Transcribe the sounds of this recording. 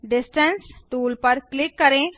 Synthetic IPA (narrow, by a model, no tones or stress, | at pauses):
ɖisʈənsʈuːlpəɾklikːəɾẽ